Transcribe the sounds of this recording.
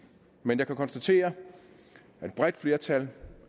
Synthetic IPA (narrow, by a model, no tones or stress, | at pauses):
menjɑ̈kʰækʰɒ̽nsd̥æt͡sʰe̝̰ːɐ | æd̥̚b̥ʁɛd̥fle̝ːɐt͡sʰæl